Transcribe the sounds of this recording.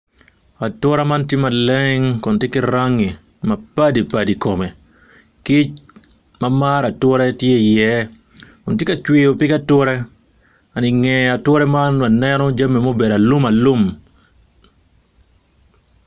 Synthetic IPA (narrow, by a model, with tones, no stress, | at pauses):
a˨tɔ˦ɾa˦ma˦ntɪ˦ma˨lɛŋkɔ˨ntɪ˦kɪ˦ɾaŋːɪ˨ | ma˨pa˦di˨padikɔmɛ˨ | ki˦t͡ʃ | mamaɾa˨tʊ˦ɾɛtje˦jɛ | kʊ˨ntɪ˦kat͡ʃwɪo˨pɪ˦katʊɾɛ˦ | a˨nɪ˨ŋɛa˨twɔ˦ɾɛmanma˨nɛnɔd͡ʒa˦mːe˨mo˦bɛ˨ɾa˨lʊ˦ma˨lʊ˦m